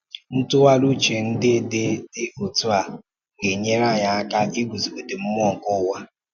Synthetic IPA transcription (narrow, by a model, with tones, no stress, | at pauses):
n̩˦tʊ˦wa˦lu˦t͡ʃe˨n̩˦dɪ˦de˦dɪ˦o˨tu˦a˨ | ɡe˨ɲe˦ɾa˦˨ɲa˨a˦ka˦ʔi˦ɡʷu˨zu˨bu˦dɪ˨m̩˦m˦ɔ˦˨ŋ̩˨kʊ˦wa˦